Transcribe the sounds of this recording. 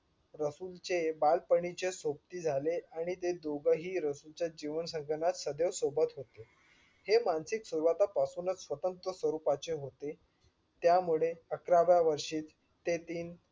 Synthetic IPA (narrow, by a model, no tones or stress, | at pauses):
ɾəsult͡ɕebalpəɳit͡ɕesop̚t̪iːd͡zʱaleaɽ̃it̪ed̪oɡəɦiːɾəsult͡ɕjad͡ʑiʋənsə̃ŋɡənat̪səd̪eʋsobət̪ɦot̪e | hemansiksuɾʋat̪apasuːnət͡ssʋət̪ənt̪ɾəsʋəɾupat͡ɕeɦot̪e | t̪jamuɭeəkɾaʋjaʋəɾʂiːt̪ | t̪ːet̪iːn